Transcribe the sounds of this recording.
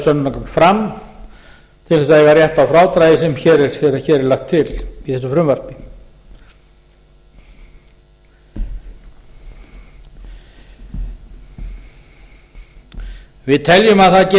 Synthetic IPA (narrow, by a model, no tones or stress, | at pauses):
sœnːʏnakʰɔmfɾam | t̪ʰɪlθɛs̬aðjɛɣarjɛht̪awfɾaːwt̪ɾajðɪsɛmçɛːɾɛɾ̥ɛɾçɛːɾɛɾlaxt̪ʰːɪliθɛsːʏfɾʏmvœr̥pɪ | vɪðt̪ʰɛljʏmaðθaðcɛ